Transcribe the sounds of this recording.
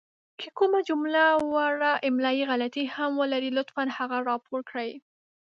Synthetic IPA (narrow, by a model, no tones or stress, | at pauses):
kʰekʊmad͡ʒʊmlawaɾaʔɪmlɑjiɣalat̪ihamwəlaɾilʊt̪fanhaɣaɾɑpʰoɾkɽaj